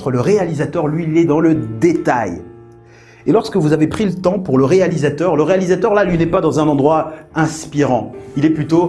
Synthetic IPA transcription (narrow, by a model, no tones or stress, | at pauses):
t̪χələʁealizat̪œʁlɥiːlɛd̪ɑ̃ləd̪et̪aj | elɔʁskəvuzavepχilət̪ɑ̃puʁləʁealizat̪œʁləʁealizat̪œʁlalɥinɛpad̪ɑ̃zɛ̃nɑ̃d̪ʁwaɛ̃spiʁɑ̃ilɛplyt̪o